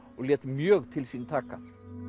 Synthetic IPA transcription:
ʔoːleːt̪mjøːɾt̪ʰɪlsiːnt̪ʰɑkɑ̰

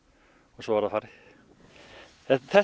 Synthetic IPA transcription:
ɔsɔvaɾðafaɾɪ | θɛt̪θɛ

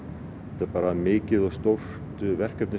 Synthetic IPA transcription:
ɛt̪apaːɾamɪːcɪðɔɣst̪owf | t̪ʏvɛr̥kɛp̪nɪ

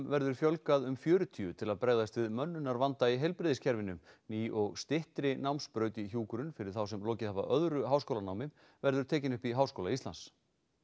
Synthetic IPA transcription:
mvɛɾðʏɾ̥fjœlkaðʏmfjœːɾʏt̪ʰiːʏt̪ʰɪlaðpɾeːɣðast̪vɪðmœnːʏnːaɾvant̪aiɦejlpɾɪðɪscʰɛɾvɪnʏmniʔɔɣst̪ɪht̪ɾɪnawmspɾœːɥt̪içuːkʏɾʏnfɪɾɪɾ̥θawsɛmlɔːcɪðhava̰ʔœðɾʏɦaːwskowlanawmɪm | vɛɾðʏɾt̪ʰɛːcɪnʏhpiɦawskowlaist̪la̰ns

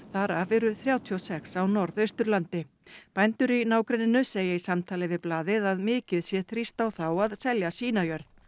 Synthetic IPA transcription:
θaɾavɛɾʏθɾjaːwt̪ʰiɔsɛksawnɔɾðœɥst̪ʏɾlant̪ɪ | pajnt̪ʏɾinaːwkɾɛnːɪnʏseːjaisamt̪ʰaːlɪvɪðplaːðɪðaðmɪːcɪðsjɛθɾist̪awθawaðsɛljasiːnajœɾð

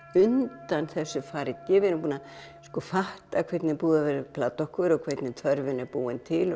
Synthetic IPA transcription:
ʏnt̪anθɛsːʏfaːɾɪt̪cɛvɪɾʏmpuːna | skɔfaht̪akʰvɛt̪nɪpuːðavɛɾɪpʰlaːt̪ɔhkʏɾɔkʰvet̪nɪt̪ʰœɾvɪnɛɾpuːɪnt̪ʰɪl

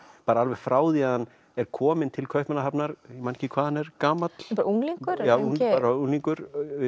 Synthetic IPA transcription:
paːɾaalvɛɣfɾaːwðiaanː | ɛɾkʰɔːmɪnt̪ʰɪlkʰœɥhpmɛnaɦapnaɾimanhcɪkʰvaːðhanːɛɾkaːmat̪l̥paɾuŋliŋkʏɾaːaːɾauŋliŋkʏɾ

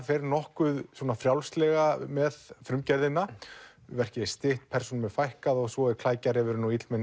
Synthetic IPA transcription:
fɛɾnɔhkʏðswɔːnafɾjawlst̪lɛɣamɛðfɾʏmcɛɾðɪnːa | vɛr̥cɪ̥st̪ɪht̪pʰɛɾsuɔnmɛðfajhkaðɔɣsvɔɛ̥kʰl̥aːjcaɾɛvʏɾnuit̪lmɛn

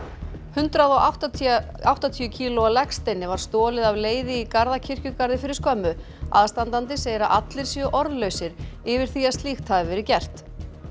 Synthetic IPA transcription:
hʏnt̪ɾaðɔawt̪a | awht̪at̪ʰiʏcʰiːlɔalɛkst̪ejnːɪvaɾ̥st̪ɔːlɪðavleːjðɪikaɾðacʰɪr̥cʏkaɾðɪfɪɾɪɾ̥skœmːʏ | a̰ðst̪ant̪ant̪̬ɪseːjɾaʔat̪lɪɾ̥sjœʔɔɾðlœɥsɪɾɪvɪɾ̥θiast̪liːxt̪ʰavɪvɛɾɪcɛr̥t̪

